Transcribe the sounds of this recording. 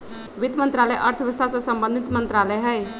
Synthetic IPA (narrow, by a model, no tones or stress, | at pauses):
ʋit̪mənt̪ɾaləjʔəɾt̪ʰəʋəst̪ʰasə̃səmbə̃nd̪ʱit̪mənt̪ɾaləjɦəj